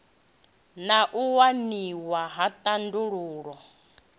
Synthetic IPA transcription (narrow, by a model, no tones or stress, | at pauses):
naʔuwaniwaɦatʼanduɺuːɺɔ